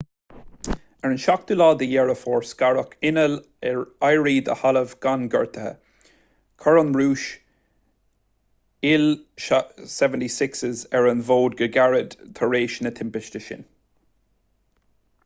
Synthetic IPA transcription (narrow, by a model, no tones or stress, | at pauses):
ɛɹənʃak̚d̪̥ulɑːd̪əjɛɹəfɔːɹskaɹəkʰɪnəl | ɛɹajɹiːd̪ə̰haləvɡ̥anɡə̰ɹt̪ʰəhə̰ | kʰɔɹənɹuːʃ | ɪl | sɛvəntisɪksəzɛɹənvoːd̪̚ɡəɡaɹəd̪̥t̪ʰəɹeːʃnət̪ʰɪmpɪʃtəʃɪ̰n